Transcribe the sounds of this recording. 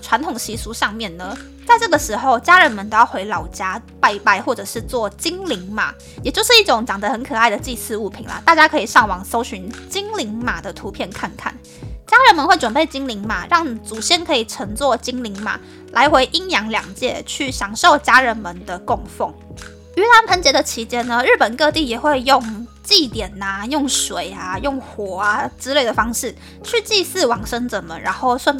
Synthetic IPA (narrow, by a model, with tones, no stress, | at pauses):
ʈ͡ʂʰwa˧˥nt̪ʰʊ˨˩ŋɕi˧˥su˧˥ʂɑ˥˧ŋmjɛ˥˩nnə˩ | t͡sa˥˧ɪʈ͡ʂɤ˥˩ɡə˩ʂɻ̩˧˥xo˥˧ʊt͡ɕja˥ɻə˧˥nmə˧˦nt̪o˧˦jɑ˥˩xwe˧˥ɪlɑ˨˩ʊt͡ɕja˥pa˥˧ɪpa˥˧ɪxwɔ˥˩ʈ͡ʂɤ˨˩ʂɻ̩˥˧t͡swɔ˥˩t͡ɕi˥ŋli˧˥ŋma̰˨˩˦ | jɛ˨˩t͡ɕjo˥˧ʊʂɻ̩˥˧i˥˩ʈ͡ʂʊ˧˥ŋt͡ɕjɑ˨˩ŋd̪ə˦xə˧˦nkʰɤ˨˩a˥˩ɪd̪ə˩t͡ɕi˥˩sɹ̩˥˧u˥˩pʰḭ˨˩nlə̰˦t̪a˥˩t͡ɕja˥kʰɤ˧˥i˨˩ʂɑ˥˩ŋwɑ˨˩ŋso˥ʊɕy˧˥nt͡ɕi˥ŋli˧˥ŋma˨˩d̪ə˨˦t̪ʰu˧˥pʰjɛ˥˧nkʰa˥˧nkʰa̰˥˩n | t͡ɕja˥ɻə˧˥nmə˧˦nxwe˥˩ɪʈ͡ʂwə˨˩npe˥˩ɪt͡ɕi˥ŋli˧˥ŋma˨˩ɻɑ˥˩ŋt͡su˨˩ɕjɛ˥nkʰɤ˧˥i˨˩ʈ͡ʂʰɤ˧˥ŋt͡swɔ˥˩t͡ɕi˥ŋli˧˥ŋma̰˨˩ | lʔa˧˥ɪxwe˧˥ɪʔi˥ŋjɑ˧˥ŋljɑ̰˨˩ŋt͡ɕjɛ˥˧t͡ɕʰy˥˩ɕjɑ˨˩ŋʂo˥˩ʊt͡ɕja˥ɻə˧˦nmə˧˦nd̪ə˨kʊ˥˧ŋfo˥˩ŋ | y˧˥ta˧˥npʰə˧˥nt͡ɕjɛ˧˥d̪ə˨t͡ɕʰi˧˥t͡ɕjɛ˥nnə˨ɻ̩˥˩pə˨˩nkɤ˥˧t̪i˥˩jɛ˨˩xwe˥˧ɪjʊ˥˧ŋt͡ɕi˥˨t̪jɛ˨˩na˩jʊ˥˩ŋʂwe˨˩ɪa˨jʊ˥˩ŋxwɔ˨˩a˨t͡sɹ̩˥le˥˩ɪd̪ə˩fɑ˥ŋʂɻ̩˥˩ | t͡ɕʰy˥˧t͡ɕi˥˧sɹ̩˥˩wɑ˨˩ŋʂə˥ŋt͡sə˨˩˦mə˦ɻʔa˧˥nxo˥˩ʊswa˥˧n